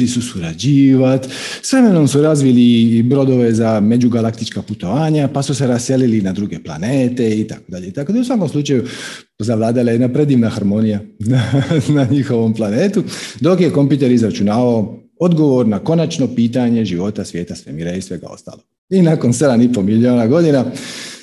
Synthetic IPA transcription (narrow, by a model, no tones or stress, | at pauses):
lisusuɾad͡ʑiːʋat̪sʋɾe̞me̞no̞msuɾazʋilibɾo̞d̪o̞ʋe̞zame̞d͡ʑuɡalak̚t̪it͡ʃkaput̪o̞ʋaːɲapasuse̞ɾassje̞lilinad̪ɾuɡe̞pla̰neːt̪e̞it̪ako̞d̪aʎeit̪ako̞d̪ausʋako̞mslˠut͡ʃaju | zaʋlˠaːd̪alˠajenapɾe̞d̪iːʋnaxaɾmo̞nijananaɲixo̞ʋo̞mplˠaneːt̪ud̪o̞kje̞ko̞mpjuːt̪e̞ɾizɾat͡ʃunaʋao | o̞d̪ɡo̞ʋo̞ɾnako̞nat͡ʃno̞piːt̪̬aɲe̞ʒiʋo̞t̪asʋje̞ːt̪asʋemiɾaisʋe̞ɡa̰o̞̰st̪a̰ːlo | inako̞nse̞d̪anipomilio̞ːnaɡo̞d̪ina